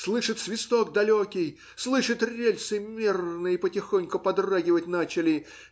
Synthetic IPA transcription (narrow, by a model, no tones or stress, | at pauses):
slˠɨʂɨt̪svʲɪst̪o̞ɡ̚d̪ɐlʲokʲɪj | slˠɨʂɨt̪rʲelʲsɨmʲirnɨjipətʲɪxonʲkʊpɐd̪raɡʲɪvətʲnat͡ɕɪlʲɪ